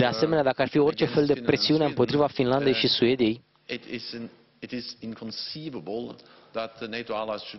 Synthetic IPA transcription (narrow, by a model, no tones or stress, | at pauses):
d̪e̞ase̞me̞nead̪akəarfio̞rt͡ʃe̞fe̞ld̪eɾe̞siune̞ɨmpo̞t̪ɾivafinland̪e̞jʃisue̞d̪ije̞j | ɪtɪz | ɪtɪzɪ̃nkʰə̃nsivəbəl̩ˠ | ðət̪̚əneɪtoalaɪz̥ʃ